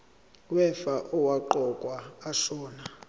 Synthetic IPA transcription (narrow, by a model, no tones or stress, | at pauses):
wɛfaʔɔwaǃɔkʼwaːʃɔːna